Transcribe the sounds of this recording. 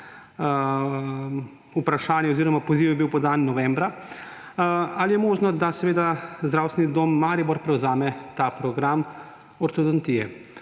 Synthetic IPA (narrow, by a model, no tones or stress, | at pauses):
upɾaʃaːnjɛɔziːɾɔmapɔziːwjɛbiwpɔd̪aːnːɔʋɛmbɾa | alijɛmoːʒnɔd̪asɛʋeːd̪azd̪ɾaːwst̪ʋʲnid̪oːmːaːɾibɔɾpɾɛwzaːmɛt̪apɾɔɡɾam | ɔɾt̪od̪ɔnt̪iːɛ̰